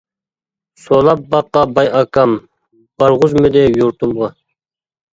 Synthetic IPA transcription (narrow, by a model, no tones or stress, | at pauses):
solˠɑp̚bɑqːɑbɑjɑkʰɑm | b̥ɑɾʁʊzmɪd̪ɪjuɾt̪ʰumʁɑ